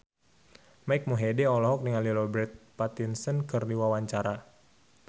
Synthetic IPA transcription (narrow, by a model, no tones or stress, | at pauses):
maik̚muɦedɛɔlɔɦɔk̚dəŋanlilɔbɾɛt̪̚pat̪insənkɨrdiwawaɲt͡ʃaɾa